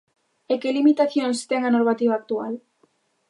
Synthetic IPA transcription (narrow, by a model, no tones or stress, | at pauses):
ekelimit̪aθjonst̪eŋanoɾmat̪iβaːk̚t̪ua̰l